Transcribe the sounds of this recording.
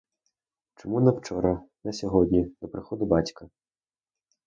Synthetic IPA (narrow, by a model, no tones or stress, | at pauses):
t͡ʃɔmunɐwt͡ʃɔɾɐnɐsʲɔɦɔdʲnʲid̪ɔpɾɪxɔd̪ʊbɑtʲkɐ